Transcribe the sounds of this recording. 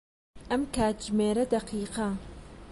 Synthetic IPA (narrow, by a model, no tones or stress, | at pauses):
ʔɐmkʰaːt̪̚d͡ʒmeːɾɐd̪ɐqʰiːqɐ